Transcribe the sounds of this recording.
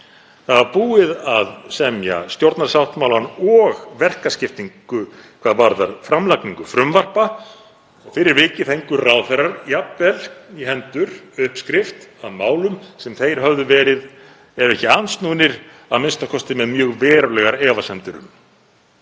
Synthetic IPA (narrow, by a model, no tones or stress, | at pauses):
θaðaɾpuːɪðaðsɛmja̰st̪jowɾt̪naɾ̥sawht̪mawlanɔɣvɛr̥kascɪft̪iŋkʏkʰvaːðvaɾðaɾ̥fɾamlakniŋkʏfɾʏmvar̥pa | fɪɾɪɾvɪːcɪθejŋkʏrawθɛrːaɾjapvɛliɦɛnt̪ʏɾ̥ʏhpskɾɪft̪aðmaːwlʏmsɛmθejɾ̥ɦœvðʏvɛːɾɪð | ɛɾɛhcɪanst̪nuːnɪɾ̥ | a̰ðmɪnst̪akʰɔst̪ɪmɛðmjœːɣvɛːɾalɛɣaɾɛːvasɛmt̪ʏɾʏ̰m